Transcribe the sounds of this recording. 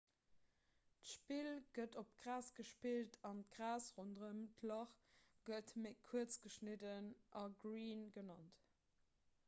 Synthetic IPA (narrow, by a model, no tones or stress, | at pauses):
tʃpilɡ̥ətopɡ̥ʁaːsɡ̥əʃpiltʰɑntɡ̥ʁaːsʁondʁəmtʰlɑχɡ̥ətməkʰuət͡sɡ̥əʃnədənʔɑɡʁiːnɡənɑnt